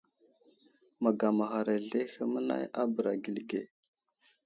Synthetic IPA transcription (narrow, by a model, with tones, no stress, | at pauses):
ma˨ɡa˨ma˨xa˨ɾa˨ɮe˦xə˦mə˦na̰˦ja˦bə˨ɾa˨ɡi˨lɡe˨